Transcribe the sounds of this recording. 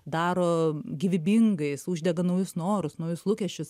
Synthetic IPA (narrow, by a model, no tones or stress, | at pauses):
d̪ɑːɾoːɡʲɪʋʲɪbʲiŋɡɐɪsuːʒʲdʲɛɡɐnɐʊjʊsnoːɾʊsnɐʊjʊslˠuːkʲɛʃʲt͡ʃʲʊs